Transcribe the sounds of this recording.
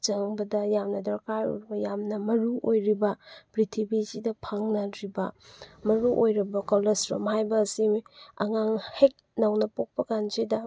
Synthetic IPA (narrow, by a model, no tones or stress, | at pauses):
t͡ʃɐŋbɐdɐjamnɐdɐɾkajo̰jɾibɐjamnɐmɐɾuʔojɾibɐpɾitʰibizidɐpʰaŋnɐɾibɐmɐɾuʔojɾɐbɐkolesɾo̰mhajbɐːsiɐ̰ŋaŋhek̚nɐwnɐpok̚pɐkand͡ʒedɐ